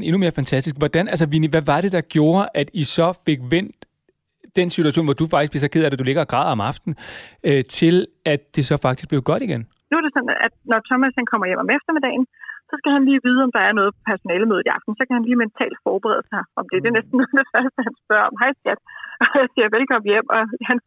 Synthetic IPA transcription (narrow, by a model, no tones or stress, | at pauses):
n̩e̝nume̝ːɐfænt͡sʰæsd̥isɡ̥ʋɒd̥ænælsəʋiniʋæʋɑ̈ɾ̥e̝d̥ɑ̈ɡ̥jo̝ːɐʔæd̥isɒ̽fe̝ɡ̥ʋen̰d̥ː | ensit͡sʰuæɕo̰ːnʋɒd̥ufɑ̈ɡ̥̚isb̥liesɒ̽kʰeð̰ˠæɾ̥æd̥ule̝ɡ̥ɐɡ̥ʁɑ̰̈ːðˠɒ̽mɑ̈fd̥n̩øt͡sʰe̝l | æd̥ːe̝sɒ̽fɑ̈ɡ̥̚d̥isɡ̥̚leʊɡ̥ɒ̽ɾ̥iɡ̥en | nuɐɾ̥e̝sɒ̽næ̰d̥nɒt͡sʰɒmæshænkʰɒ̽m̰ɐjem̰ɒ̽mefd̥ɐme̝d̥ɛ̰ːɪn̩sɒ̽sɡ̥æhænliːʋiːð̞̩ˠɒ̽md̥ɑ̈æɐnɔ̽ːð̞̩ˠpʰɒ̥̽pʰæɐso̝nɛːləmøːð̞̩ˠiɑ̈fd̥n̩sɒ̽kæhænliːment͡sʰɛ̰ːld̥fɒːb̥eʁɛ̰ːð̞ˠsɑ̈ɪʔɒ̽md̥e̝d̥enesd̥n̩ːɔːd̥efɶɐsd̥əɦænsb̥ɶɐɒ̽mɦɑ̈ɪsɡ̥æd̥ɒjaɪsiɐʋelkʰɒ̽m̰̩jem̰ɒ̽hæn